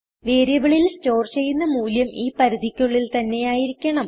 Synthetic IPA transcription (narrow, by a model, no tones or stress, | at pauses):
ʋeːɾɐʋɐɭilsto̞ːrt͡ɕe̞junːɐmuːljɐmʔiːpɐɾiðikʲːuɭːilt̪ɐnːe̞jaːjiɾikʲːɐɳɐm